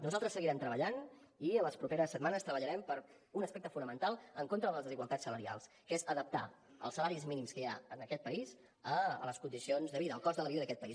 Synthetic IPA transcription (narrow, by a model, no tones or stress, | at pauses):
nuzalˠt̪ɾəsːəɣiɾɛmt̪ɾəβəʎan | iələspɾupeɾəsːət̪manəst̪ɾəβəʎəɾɛmpəɾ | unəspɛk̚t̪əfunəmənt̪alˠəŋkont̪ɾəðələzðəziɣwəlˠt̪atsːələɾia̰lˠs | kezəðəp̚t̪a̰ | ə̰lˠsːəlaɾizminimskəjaənəkɛt̪̚pəiz | ələskund̪isionzðəβiðəːlˠkɔzðələβiðəðəkɛt̪̚pəis